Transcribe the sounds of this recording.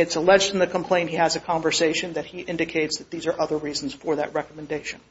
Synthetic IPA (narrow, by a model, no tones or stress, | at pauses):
ɨtsəlɛd͡ʒd̃n̩ðɨkʰm̩pʰl̥ẽɪ̃nthiɨzɨkʰɑ̃ɱvə˞seɪʃɨ̃nðɨt̚hiʔɪ̃ndɨkʰeɪtsðɨt̪̚ðizə˞ʔʌðə˞ɹizn̩z̥fə˞ðɨ̰ʔ̚ɹɛkəmɨ̃ndeɪʃɨ̃n̩